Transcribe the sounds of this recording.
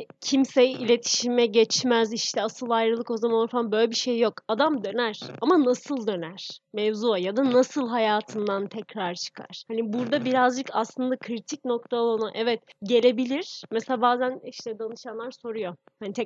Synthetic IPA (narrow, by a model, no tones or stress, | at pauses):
cʰimsejilʲet̪ʰi̥ʃimɛɟɛt͡ʃmɛziʃt̪ʰɛasɯlˠajɾɯlˠɯko̞zamanoɾfaanbø̞jlʲebiʃejːo̞kad̪amd̪ø̞næɾ̥amanasɯlˠd̪ø̞næɾ̥mɛvzuajad̪anasɯlˠɦajaːt̪ʰɯnd̪ant̪ʰɛcɾaɾt͡ʃʰɯ̥kʰa̰ɾ̥hanibuɾd̪abiɾazd͡ʒɯkʰaslˠɯnd̪akʰɾit̪ʰic̚no̞k̚t̪ʰaolˠonaʔɛvɛt̪ɟe̞lʲe̞bilʲiɾ̥mɛselaːbaːzæniʃt̪ɛd̪anɯʃanlˠaɾso̞ɾujohanit̪ʰɛ